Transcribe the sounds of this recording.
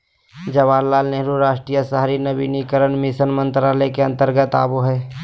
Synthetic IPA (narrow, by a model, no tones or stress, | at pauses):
d͡ʒɐʋaːlːaːlneɦɾuɾaːʃʈɾiːjəsəɦaɾinəbinikəɾənmɪsənmə̃nt̪ɾaːləkeɐ̃nt̪əɾɡət̪a̰ːbuɦɛː